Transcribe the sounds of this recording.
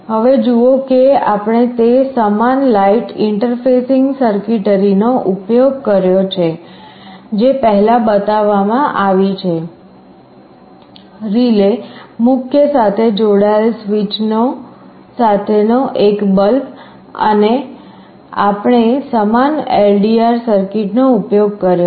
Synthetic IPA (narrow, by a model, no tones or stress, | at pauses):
ɦəʋed͡ʒuokeapɽ̃et̪esəmanlaiʈɪɳʈəɾfesɪŋɡsəɾkiʈəɾinoʔupjoɡkəɾjot͡ʃʰe | d͡ʒepəɦɛlabət̪aʋːamãʔaʋit͡ʃʰe | ɾilemʊkʰjəsat̪ʰed͡ʒoɽaeelsʋit͡ʃno | sat̪ʰenoʔekbəlb | ə̰ne | apɳ̃esəmanelɖiaɾsəɾkɪʈnoupjoɡ̚kəɾjo